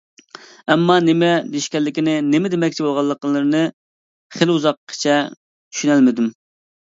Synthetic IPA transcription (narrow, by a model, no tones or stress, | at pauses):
ɛmːɑnɪmɛd̪iʃkʲɛlːɪkʲinɪnemɪd̪emɛk̚ʲt͡ʃʰibolˠʁɑlˠːəqəlːˠɨɾɨnɨ | χeluzɑqʰːə̥t͡ʃʰɛ | t̪ʰy̥ʃynælmɪd̪ym